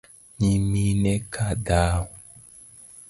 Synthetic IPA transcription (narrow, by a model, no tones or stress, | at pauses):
ɲimĩnɛkʰadaw